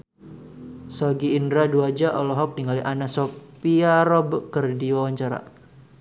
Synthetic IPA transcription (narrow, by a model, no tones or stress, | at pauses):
sɔɡiːndɾaduad͡ʒaʔɔlɔɦɔk̚niŋaliʔanasɔpiaɾɔbkərdiwawaɲt͡ʃaɾa̰